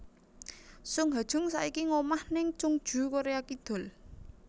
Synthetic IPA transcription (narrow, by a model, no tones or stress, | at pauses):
sʊŋɦad̥ʒ̥ʊ̤ŋsa̰ikiŋomahnɪŋt͡ʃʊŋd̥ʒ̥ṳkoɾeakid̪̥ɔ̤l